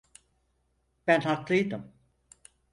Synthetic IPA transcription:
b̥ænhak̪lˠɯjd̪ɯm

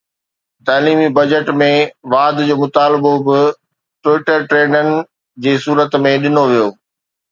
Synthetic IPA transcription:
t̪aːliːmibɐd͡ʑəʈmẽʋaːd̪d͡ʑoːmʊt̪aːlɪbobɪ | ʈʋɪʈəɾʈɾeːnənɪ̆ | d͡ʑeːsuːɾət̪mẽɗɪnoʋijoː

